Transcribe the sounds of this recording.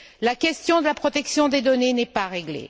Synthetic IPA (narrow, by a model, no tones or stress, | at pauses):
lakʲɛst̪jɔ̃d̪əlapχɔt̪ɛksjɔ̃d̪ed̪ɔnenɛpaʁeɡlḛ